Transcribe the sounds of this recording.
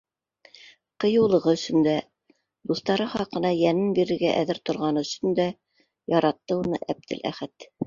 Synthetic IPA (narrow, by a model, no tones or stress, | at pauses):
qɤ̆jɤ̆wlˠɤ̆ʁɤɵ̆sɵ̆nd̪æ | d̪uθt̪ɑɾɤχɑqɤ̆nɑjænɘnbiɾɘ̆ɾɡæʔæðɘɾt̪ŏɾʁɑnɤɵ̆sɵ̆nd̪æ | jɑɾɑt̪ːɤunɤ̰ʔæb̚d̪ɘ̰lʔæ̰χæt̪